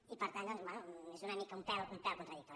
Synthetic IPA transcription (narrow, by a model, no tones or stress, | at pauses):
ipɐɾt̪and̪ɔ̃nzbwɛnuezunɐmikaump̪ɛloump̪ɛlkont̪ɾɐðikt̪ɔ